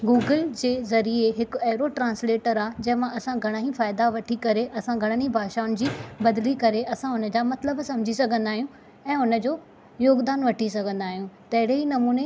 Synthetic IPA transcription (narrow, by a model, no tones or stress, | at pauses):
ɡuːɡəld͡ʑeːzɐɾieɦɪkʊɐːɾoʈɾãːnsleːʈəɾaːd͡ʑɐ̃ɦɪ̃mãʔɐsãɡʱɐɽ̃aɦĩfaːɪd̪aʋɐʈʰikɐɾeʔɐsãɡʱɐɽ̃ənibʱaːʃaːʊnɪ̆d͡ʑiːbɐd̪likɐɾeʔɐsãʊnə̆d͡ʑaːmɐt̪ləbsɐ̃m̤d͡ʑʱisɐɡʱə̃nd̪aːɦijũ | ɛ̃ːʊnə̆d͡ʑoː | joːɡd̪aːnʋɐʈʰisɐɡʱə̃nd̪aːɦijũt̪ɐɦɪɽeɦinɐmuːne